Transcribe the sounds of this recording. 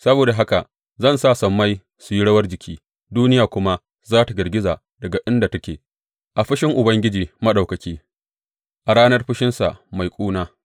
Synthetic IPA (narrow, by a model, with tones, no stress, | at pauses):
sɐ˦boː˨da˨ɦa˦ka̰˨ʔ | zɐ˦˨nsaː˦˨sɐ˨mːa˦j | su˨ji˦ɽɐ˦wɐ˦rd͡ʒɪ˨kʲʰiː˦ | duː˦nɪ˦jaː˨kʷʊ˦ma˦ | zaː˦ta˨ɡɐ˨rɡʲɪ˦zaː˨ | dɐ˨ɡa˨ʔɪ˦nda˨tɐ˦kʲeː˨ | ʔa˨ɸɪ˦ʃɪ˦ŋʔʊ˨bɐ˦ŋɡʲɪ˦d͡ʒiː˨mɐ˦ɗa˨wkɐ˨kʲiː˦ | ʔa˨ɽaː˦nɐ˦rɸɪ˦ʃɪ˦nsa̰˨ma˨jkʷʼuː˦naː˦